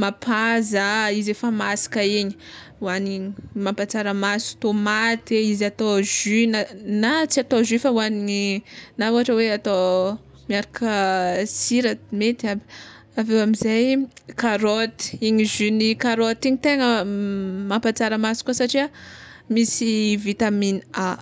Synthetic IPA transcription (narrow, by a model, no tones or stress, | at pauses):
mapʰazəizefəmasi̥kaiɲi̥ | wanimampat͡saɾəmasu̥t̪omat̪eizat̪oʒynanat͡siat̪oʒifawaniinaoɦaʈ͡ʂəweat̪o | miaɾakʰəsiɾat̪met̪abi̥ | avewamizajkaɾot̪i̥iɲiʒynikaɾot̪iɲit̪eŋə | mampat͡saɾəmasi̥kuasaʈ͡ʂia | misivit̪aminia